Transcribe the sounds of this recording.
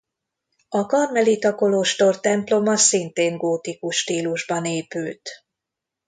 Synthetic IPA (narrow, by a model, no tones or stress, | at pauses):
ɒkɒrmɛlit̪ɒko̞loːʃt̪o̞rt̪ɛmplo̞mɒsint̪eːŋɡoːt̪ikuʃːt̪iːluʒbɒneːpylt̪